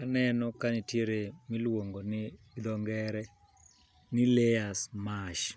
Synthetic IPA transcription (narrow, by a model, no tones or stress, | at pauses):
kanɛnɔkanɪtjeɾemɪlwoŋɡonɪ | d̪ɔŋɡɛɾɛ | nɪleasmaʃ